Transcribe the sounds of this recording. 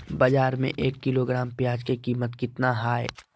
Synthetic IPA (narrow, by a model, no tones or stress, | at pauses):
bɐd͡ʒaːɾmḛ̃ʔeːkːɪloɡɾaːmpjaːd͡ʒkekiːmət̪kɪt̪naɦaːe